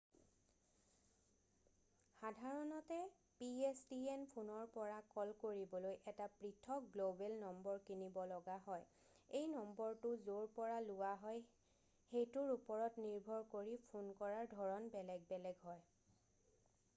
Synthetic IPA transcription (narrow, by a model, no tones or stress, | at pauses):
xadʱaɹɔnɔtɛ | piesdienpʰunɔɹpɔɹakɔlkoɹibɔlojʔɛtapɹitʰɔk̚ɡlobɛlnɔmbɔɹkinibɔlɔɡaɦɔj | ejnɔmbɔɹtʊzoɹpɔɹalʊwaɦɔj | xejtʊɹupɔɹɔtniɹbʱɔɹkoɹipʰunkɔɹaɹdʱɔɹɔnbɛlɛɡ̚bɛlɛɡɦɔj